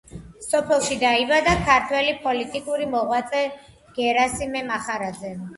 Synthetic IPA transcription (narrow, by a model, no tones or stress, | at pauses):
sɔpʰɛlˠʃid̪aibad̪akʰaɾt̪ʰwɛlipʼɔlit̪ʼikʼuɾimɔʁwat̪sʼɛ | ɡ̥ɛɾasimɛmaχaɾad̪zɛ